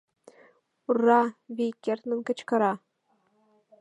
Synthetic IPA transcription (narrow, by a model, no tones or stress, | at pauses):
urːɑβʲejkʲːert̪nɘ̆nkɘ̆t͡ɕkɤ̆ɾɑ